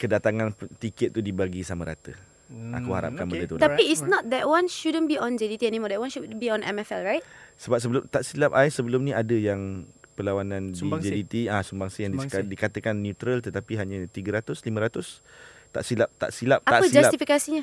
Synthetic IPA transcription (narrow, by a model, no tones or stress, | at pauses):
kədat̪aŋãnt̪ikɪt̪̚ːudibaɡisaməɾa̰t̪ə | a̰kuha̰ɾa̰p̚kanbədət̪ut̪apiisnɔt̪̚d̪ɛʔwãnʃudə̃nbiɔ̃nd͡ʒɛdit̪iɛnimɔdɛt̚wãnʃudbiɔ̃nɛ̰mɛfɛlɹajtsəbap̚səbəlʊmt̪aʔsilap̚aisəbəlʊmnĩadəjaŋpəlawanãndiid͡ʒɛdit̪iasəmbaŋsijaŋdiadikat̪əkanːjut̪ɾəlt̪ət̪apiɦaɲat̪iɡəɾat̪ʊslimə̃ɾat̪ʊs | t̪a̰ʔsilap̚t̪a̰ʔsilap̚aaʔpəid͡ʒalaspt̪ifikasiɲa